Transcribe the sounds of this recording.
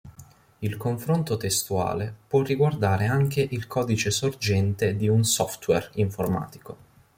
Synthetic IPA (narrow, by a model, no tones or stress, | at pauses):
ilkoɱfɾont̪ot̪est̪ua̰ːlepwɔrːiɡward̪aːɾeaŋk̟eʔilkʰɔːd̪it͡ʃesord͡ʒɛnt̪ed̪iunsɔft̪wɛ̰riɱforma̰ːt̪i̥ko